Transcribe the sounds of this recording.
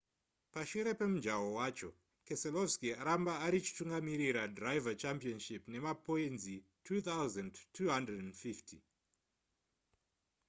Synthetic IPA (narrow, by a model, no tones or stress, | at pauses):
paʃuɾe̞pe̞mud͡ʒawowaːt͡ʃo̞ | keselofskiaɾambaːɾit͡ʃi̥tuŋɡamiɾiɾadrajvat͡ʃampionʃipne̞mapoenzi | tʰut̪awzandtʰuɦandredenfiftʰi